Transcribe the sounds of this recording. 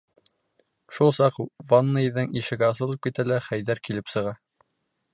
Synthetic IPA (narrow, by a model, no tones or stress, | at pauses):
ʃulˠsɑqvanːɤiðɘŋiʃɘ̆ɡæɑs̬ɤ̆lˠɤp̚kit̪ælæχæjðæɾkilɘpsɤ̆ʁɑ